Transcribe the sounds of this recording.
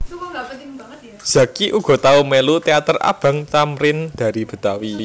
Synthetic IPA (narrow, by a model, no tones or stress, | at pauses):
z̥ä̤kiʔuɡ̥ɔ̤t̪aumelut̪eat̪əra̰b̥a̤ŋt̪amɾɪnd̪̥a̤ɾib̥ə̤t̪awi